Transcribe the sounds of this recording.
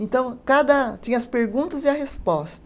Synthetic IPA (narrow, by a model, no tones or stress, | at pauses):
ẽnt̪ɐ̃w̃kad̪ɐt͡ʃĩɲɐspeɾɡũt̪ɐzɪɐɦespɔst̪ɐ